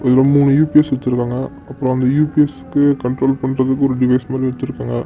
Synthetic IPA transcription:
ɛðlõːmuːɳɯjuːpiɛsɪɽɯt̪ːɯɾɯkːaːŋɡɐ | ɐpːɯɾõɐnd̪ɐjuːpiɛsɯ̥kːɯkɐɳʈɾoːlpɐɳːɾɐðɯkːɯɔɾɯɖɪʋɐɪsmaːd̪ɾiɪɽɯt̪ːɯɾɯkːaːŋɡɐ

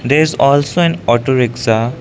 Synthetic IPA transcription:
d̪eɾɪzɔlsoɛ̃nɔʈoɾeksa

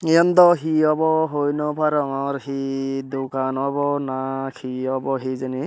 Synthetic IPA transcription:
iɔnd̪ɔɦiɔbɔɦojnɔpʰaɾɔŋɔɾɦid̪ukanɔbɔnakʰiɔbɔɦizani

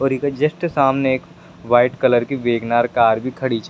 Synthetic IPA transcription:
ɔːɾikad͡ʒɐsʈsaːmneeːk | ʋaːɪʈkɐləɾkiʋeːɡnaːɾkaːɾbʱikʰɐɽit͡ʃa

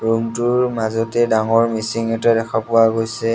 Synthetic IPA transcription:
ɹumtʊɹmazɔtɛdaŋɔɹmisiŋɛtadɛkʰɔpʊaɡojsɛ

